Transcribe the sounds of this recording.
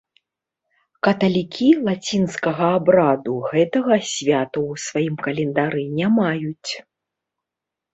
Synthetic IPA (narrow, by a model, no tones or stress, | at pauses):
kɐt̪ɐlʲikʲʰilˠat͡sʲinskɐɣɐːbɾad̪uɣɛt̪ɐɣɐsʲvʲat̪ɐwsvajimkɐlʲɛnd̪aɾɨnʲamajut͡sʲ